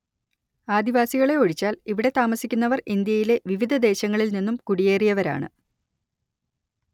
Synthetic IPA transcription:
aːd̪iʋaːsiɣɐɭe̞oɻit͡ɕːaːliʋiɽe̞t̪aːmɐsikʲːunːɐʋɐrind̪jɐjile̞ʋiʋid̪ʱɐd̪e̞ːɕɐŋːɐɭilninːumkuɽije̞ːrijɐʋɐɾa̰ːɳɨ̰

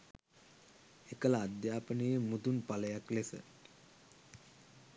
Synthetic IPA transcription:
ekəlaːd̪jaːpənəjəmud̪unpaləjaklesə̰

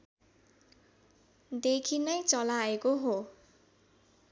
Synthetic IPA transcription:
d̪ekʰinʌjt͡sʌlaekoɦo

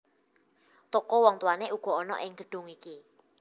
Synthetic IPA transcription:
t̪okowɔŋt̪uwaneʔuɡ̥ɔ̤ɔnɔ̰ʔɪŋɡ̥ə̤ɖ̥ʊ̤ŋiki

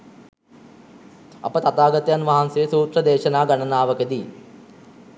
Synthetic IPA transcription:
ɐ̰pət̪at̪aːɡɐt̪əjanʋaɦansejəsuːt̪rəd̪eːʃɐnaːɡanɐnaːʋəkəd̪i

